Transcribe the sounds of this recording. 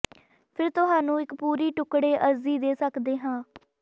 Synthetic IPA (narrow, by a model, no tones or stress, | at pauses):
pʰɪɾt̪ʊɦaːnũːɪkpuːɾiːʈʊkɽeːʔəziːd̪eːsəkd̪eːɦãː